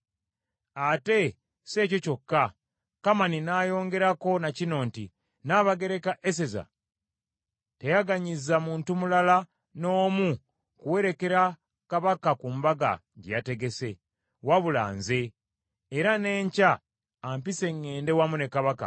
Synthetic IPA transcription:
ate̞ | se̞ːco̞co̞kːa | kamaninaːjo̞ːŋɡe̞ɾako̞nacino̞ːnti | naːβaɡe̞ɾe̞kaʔes̬e̞za̰ | te̞jaɡaɲizamuːntumulala | no̞ːmu | kuwe̞ɾe̞ke̞ɾa | kaβakakumbaɡa̰ | ɟḛjate̞ɡe̞se̞ | waβula̰ːnze̞ː | ɾane̞ːɲcaː | mpise̞ŋːe̞ːnde̞wamune̞kaβaka̰

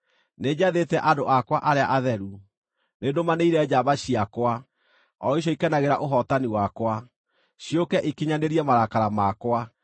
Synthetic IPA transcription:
ned͡ʑaðetɛʔadoʔakwaʔaɾeaʔaðɛɾu | nedomaneiɾɛd͡ʑaβaɕiakwa | ɔiɕ̬ɔikɛnaɣeɾaʔoɦɔtaniwakwa | ɕjokɛʔikeɲaneɾiɛmaɾakaɾamakwa

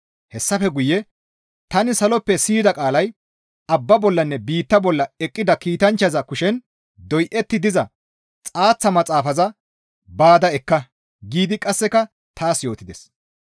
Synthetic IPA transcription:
hɛsːɐfɛɡʊjːɛ | t̪ɐnɪsɐlɔpːɛsiːd̪ɐkʼaːlɐj | ɐbːɐbɔlːɐnːɛbiːt̪ːɐbɔlːɐɛkʼːɪd̪ɐkiːt̪ɐnt͡ʃːɐzɐkʊʃɛn | d̪ɔjʔɛt̪ːɪd̪ɪzɐ | t͡sʼaːt͡sːɐmɐt͡sʼaːfɐzɐ | baːd̪ɐɛkːɐ | ɡiːd̪ɪkʼɐsːɛkɐ | t̪ʰaːsjo̞ːt̪ɪd̪ɛs

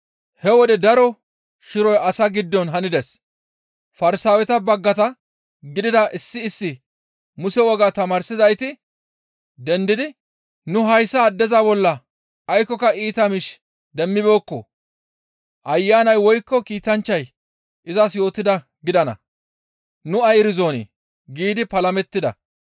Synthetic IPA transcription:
hɛwɔd̪ɛd̪ɐɾɔ | ʃɪɾɔjɐsɐɡɪd̪ːɔnɦɐnɪd̪ɛs | fɐɾɪsaːwɛt̪ɐbɐɡːɐt̪ɐ | ɡɪd̪ɪd̪ɐʔɪsːɪːsːɪ | mʊsɛwɔɡaːt̪ɐmaːɾsɪzɐjt̪ɪ | d̪ɛnd̪ɪd̪ɪ | nʊɦɐjsːɐːd̪ːɛzabɔlːɐː | jkːɔkɐʔiːt̪ɐmɪʃ | d̪ɛmːɪbo̞ːkːɔ̰ | ʔɐjːaːnɐjwɔjkːɔkiːt̪ɐnt͡ʃːɐj | ɪzɐsjo̞ːt̪ːɪd̪ɐ | ɡɪd̪ɐnɐ̰ | nʊɐjɾɪzo̞ːnɪ̰ | ɡiːd̪ɪpɐlɐmɛt̪ːɪd̪ɐ̰

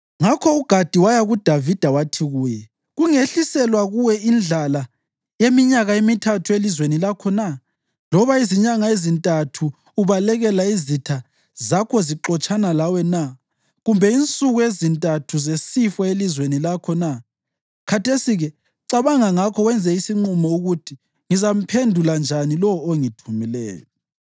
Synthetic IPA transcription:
ŋakʰɔuɡ̥ʱad̥ʱiwajaɣud̥ʱavid̥ʱawatʰiɣuːjɛ | ɣuŋeɬisɛlwaɣuwɛind͡ɮʱala | jemiɲaɣaemitʰatʰuelizwenilakʰɔna | lɔβaiziɲaŋaezintʼatʰu | uβalɛɣɛlaizitʰa | zakʰɔziǁɔt͡ʃʼanalawɛna | ɣumbʱɛint͡sʼuɣuezintʼatʰuzesifɔelizwenilakʰɔna | kʰatʰesiɣɛ | ǀaβaŋaŋakʰɔɣwɛnd͡zʱɛisiŋ͡ǃumɔuɣutʰi | ŋizam̩pʰendʱuland͡ʒʱanilɔoŋitʰumilɛ̰ːjɔ

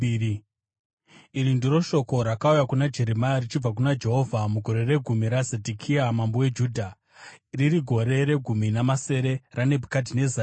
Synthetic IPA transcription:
iɾindiɾo̞ʃo̞ko̞ɾakaujakunad͡ʒe̞ɾe̞majarit͡ʃib͡vak̬unad͡ʒe̞ɦo̞vʱamuɡʱo̞ɾe̞ɾe̞ɡʱumiɾazedʱikʰiamambowe̞d͡ʒuːdʱa | ririɡʱo̞ɾe̞ɾe̞ɡʱuminamase̞ɾe̞rane̞bʱukad̬ine̞za

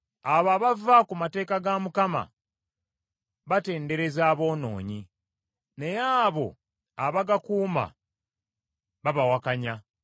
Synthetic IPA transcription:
aβaːβavakumate̞ːkaɡamukama̰ | βate̞ːnde̞ɾe̞zaːβo̞ːno̞̰ːɲi | ne̞jaːβo̞̰ | aβaɡakuːma̰ | βaβawakaɲa

